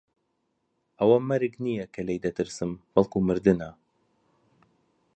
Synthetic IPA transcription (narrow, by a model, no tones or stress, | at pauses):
ʔɐwɐmɐɾɨknijɐkʰɐlejd̪ɐt̪ɨɾsɨmb̥ɐlˠkumɨɾd̪ɨnɐ